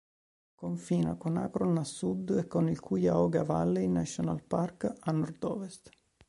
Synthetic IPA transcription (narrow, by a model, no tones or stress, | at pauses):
koɱfiːna̰kona̰kɾonasːud̪ɛkːonilkʰujaɔɡava̰lːeinasɔna̰lparkanːɔɾd̪ɔːvɛst̪